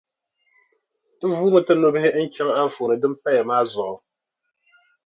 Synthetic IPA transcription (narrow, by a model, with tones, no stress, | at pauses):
tɨ˦vuː˦mɨ˦tɨ˦no˦bɨ˦hɪ˦n̩˦t͡ʃɛ˦ŋ˦a˦fo˨nɨ˨dɨ˦m˦pa˦jɛ˨maː˦zʊ˨ʔʊ˨